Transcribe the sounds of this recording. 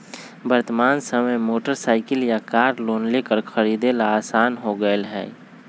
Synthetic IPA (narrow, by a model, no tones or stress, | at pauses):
bəɾt̪əmaːnsəməjmoːʈəɾsaːɪkəljakaːɾloːnlekəɾkʰəɾiːd̪elaaːsaːnɦoɡəelɦɛ̰ː